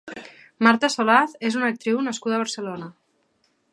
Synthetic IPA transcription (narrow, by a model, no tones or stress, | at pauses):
maɾt̪asolaθezunak̚t̪ɾiwnaskuðaːβəɾselona